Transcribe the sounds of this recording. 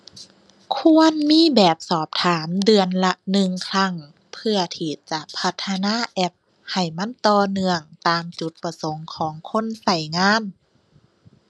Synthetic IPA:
kʰu˧ənmiː˧˥˨bɛː˨˩p̚sɔː˨˩p̚t̪ʰaː˩˦mdɯ˨˧ənla˧nɯ˧ŋkʰla˧˥˩ŋ | pʰɯ˧ɐt̪ʰiː˧˩t͡ɕa˧˩pʰa˧˥t̪ʰːa˧naː˧˥˨ʔɛ˧˥p̚ | ha˨˩jma˧˥˨nt̪ɔː˧nɯ˧əŋt̪aː˨mt͡ɕu˨˧˦t̪̚pa˧so˨˦ŋkʰɔː˩˦ŋkʰo˧˥˨nsa˧˩jŋaː˧˥˨n

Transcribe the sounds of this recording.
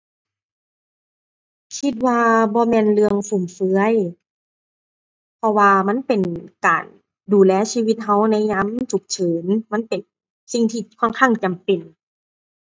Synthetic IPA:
kʰi˧t̪̚waː˧bɔː˧mɛː˧˨nlɯ˧əŋsu˧˩˨mfɯ˧˥ə˨j | pʰɔ˧waː˧ma˧˥˨npe˨˩nka̰ː˨˩n | duː˨˩lɛː˧˥˨siː˧wi˧˦t̪̚ɦa˧˥˩wna˧˥˨jɲa˧˥˨mt͡ɕʰu˨˩k̚t͡ɕʰɤː˩˦nma˧˥˨npe˨n | si˧ŋt̪ʰiː˧˩kʰɔ˧˥˨nkʰaː˧˥˩ŋt͡ɕa˨˩mpe˨˩n

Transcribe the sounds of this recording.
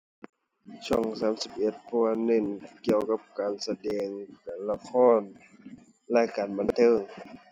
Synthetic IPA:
t͡ɕʰɔ˧˥˩ŋsaː˨˦msi˧˥p̚ʔe˧t̪̚pʰɔ˧a˧ne˧˨nki˧˨əwka˧˥p̚kaː˨nsa˧dɛː˨ŋkaː˨˩nla˧kʰɔː˧˥˨n | lɛ˧˥kaː˨˩nba˨nt̪ʰɤː˧˥˨ŋ

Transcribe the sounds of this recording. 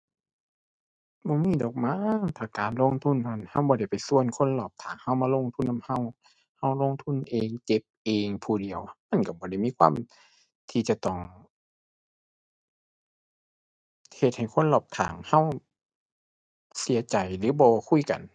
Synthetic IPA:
bɔː˧˦miː˧˥˨dɔː˨˩k̚maː˧˥˨ŋt̪ʰaː˧˩kaː˨˩nlo˧˥˨ŋt̪ʰu˧˥˨na˧˩˨nha˧˥˨wbɔː˧ɾa˧˩jpa˨˩jsu˧˨ə˨nkʰo˧˥˨nlɔː˧˩p̚t̪ʰaː˨˩ŋha˧˥˨wmaː˧lo˧˨ŋt̪ʰu˧˥˨nːa˧˥˩ha˧˥˨w | ha˧˩wloː˧˥˨ŋt̪ʰu˧˥˨nʔeː˨ŋt͡ɕe˧˦p̚ʔeː˨ŋpʰuː˨˩di˨əwma˧˥˨nka˧˩bɔː˧˦ɾa˧˩jmiː˧˥˨kʰwaː˧˥˨m | t̪ʰiː˧t͡ɕa˧˩t̪ɔ˧˩ŋ | he˧t̪̚ha˨˩jkʰo˧˥˨nlɔː˧˩p̚t̪ʰa̰ː˨˩ŋha˧˥˨w | si˨˦ɐt͡ɕa˨jlɯː˨˦bɔː˧kʰu˧˥˨jka̰˨˩n

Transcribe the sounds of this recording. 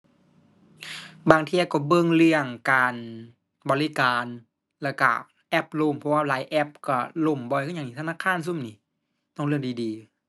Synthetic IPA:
baː˧ŋt̪ʰi˧ə˧˩kɔ˧˩bɤ˧˥˨ŋlɯ˧˩əŋkaː˨˧n | bɔː˧li˦kaː˨n | lɛː˧˩wka̰˧˩ | ʔɛ˦˥p̚lo˧˩mpʰɔ˧waː˧˩laː˨˦jʔɛ˦˥p̚kɔ˧˩lo˧˩mbɔː˧jkʰːɲa˧˨niː˧t̪ʰa˧naː˧˥˨kʰaː˧˥˨ns̬u˧˥˨mniː˧˩ | t̪ɔː˧˩ŋlɯ˧˩ədiː˨diː˨˧

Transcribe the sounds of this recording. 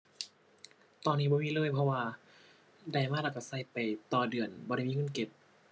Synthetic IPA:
t̪ɔː˧nːiː˧˩bɔː˧miː˧˥˨lɤː˧˥˨jpʰɔ˧waː˧ | da˧˩jmaː˧˥˨laː˧˩ka˧˩sa˧˩jpa˨jt̪ɔː˧˩dɯ˨˩ənbɔː˧ɾa˧˥˨jmiː˧˨˧ke˧˦p̚

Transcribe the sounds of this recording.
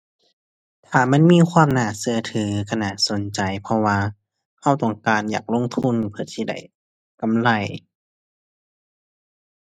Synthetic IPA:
t̪ʰaː˨˩ma˧˥˨nmiː˧˥˨kʰwaː˧˥˨mnaː˧˩sɯ˧ɐt̪ʰɯː˨˦kʰa˧naː˧˩so˨˦nt͡ɕa˨˩jpʰɔ˧waː˧ | ha˧˩˨wt̪ɔ˨˩ŋkaː˨˩njaː˨˩k̚lo˧˥˨ŋt̪ʰu˧˥˨npʰɯ˧˩əsʰiː˧˩da̰˧˩j | ka˨mla˧˩j

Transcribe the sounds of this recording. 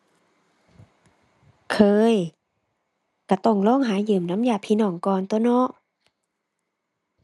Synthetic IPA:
kʰɤː˧j | ka˧˩t̪ɔ˧˩ŋlɔː˧˥˨ŋɦaː˨˩˦jɯː˨˩mna˧˥mjaː˧˩pʰiː˧nɔː˧˩ŋkɔː˧˨nt̪o˧˦nɔ˧˥˨ʔ

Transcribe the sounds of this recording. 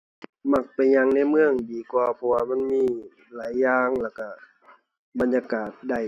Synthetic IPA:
ma˧˩k̚pa˨jɲa˧ŋna˧˩˨mɯ˧˨əŋdiː˨˦kwaː˧˩pʰɔ˧waː˧ma˧˥˨nmiː˧˥˩ | laː˨˦jːaː˧ŋlɛː˧˩ka˧˩ | ba˨˦njaː˧kaː˨˩t̪̚da˧˩j

